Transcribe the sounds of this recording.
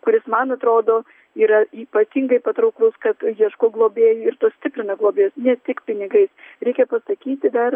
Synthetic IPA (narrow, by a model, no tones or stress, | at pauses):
kʊɾʲɪsmɐnɐt̪ɾoːd̪oː | iːɾɐiːpɐt̪ʲiŋɡɐɪpɐt̪ɾɐʊklˠʊskɐt̪jiɛʃkoːɡlˠoːbʲeːjʊɪɾt̪uːsʲt̪ʲɪpʲɾʲɪnɐɡlˠoːbʲeːjoːsnʲɛt̪ʲɪkpʲɪnʲɪɡɐɪsɾʲɛɪkʲɛpɐsɐkʲiːt̪ʲɪd̪ɐr